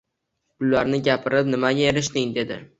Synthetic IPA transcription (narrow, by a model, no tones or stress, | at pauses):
b̥ʊlːaɾnɪɡʲapʰɪɾɪpnɪmaɡʲaeɾɪʃd̪ɪŋd̪e̞d̪ɪ̰